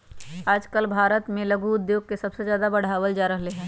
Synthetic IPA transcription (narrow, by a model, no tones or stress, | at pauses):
aːd͡ʒkəlbʱaːɾət̪mẽlɐɡuʊd̪joːɡ̚kesɐbsezjaːd̪abɐɽ̤aːʋəld͡ʒaːɾəɦleɦɛ̃ː